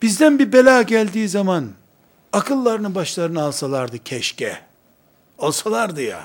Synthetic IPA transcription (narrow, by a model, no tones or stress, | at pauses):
b̥izd̪ænbiɾbelʲaːɟælʲd̪iːzaman | akʰɯlˠːaɾɯnɯbaʃlˠaɾɯnɯalˠsalˠaɾd̪ɯcʰɛʃcɛ | olˠsalˠaɾd̪ɯja̰